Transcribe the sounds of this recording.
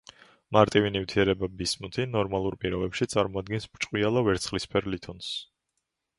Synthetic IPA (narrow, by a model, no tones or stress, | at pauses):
maɾt̪ʼivinivt̪ʰiɛɾɛbabismut̪ʰinɔɾmalˠuɾpʼiɾɔbɛpʃit̪sʼaɾmɔad̪̚ɡɛnsbɾt͡ʃʼqʼwialˠavɛɾt̪sχlispʰɛɾlit̪ʰɔns